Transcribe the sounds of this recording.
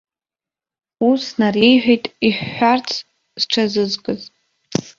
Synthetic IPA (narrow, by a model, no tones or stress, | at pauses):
usnarejħʷᶣijtʼiħːart͡sʰ | z̥ʈ͡ʂʰazɨzkʼɨz